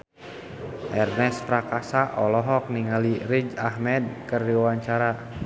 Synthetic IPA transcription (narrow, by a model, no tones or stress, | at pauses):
ʔɛrnɛspɾakasaʔɔlɔɦɔk̚niŋaliɾid͡ʒahmɛd̚kərdiwawaɲt͡ʃaɾa